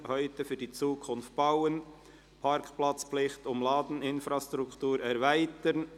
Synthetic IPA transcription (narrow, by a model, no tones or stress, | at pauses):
hœʏtəfyːdiːt͡suːkʰʊnft̚b̥aʊən | pʰɑɾkplɑt͡splɪχtʊmlɑːd̪n̩ɪnfɾɑstɾʊktuːɾɛɾvæɪtən